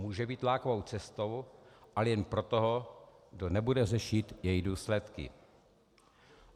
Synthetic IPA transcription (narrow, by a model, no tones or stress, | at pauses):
muːʒɛbiːt̪laːkovo̞wt͡sɛst̪o̞wʔalɛjɛnpɾot̪oɦoɡdonɛbudɛrɛʃɪt̪jɛjduːslɛt̪kɪ̰